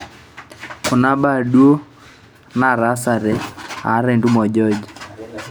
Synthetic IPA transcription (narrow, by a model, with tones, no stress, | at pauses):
kʊ˨na˦ba˦˨dwo˦ | na˦˨ɾa˦sa˨ɾɛ˨a˨˦ɾe˨ndu˦mɔ˨d͡ʒɔ˦d͡ʒ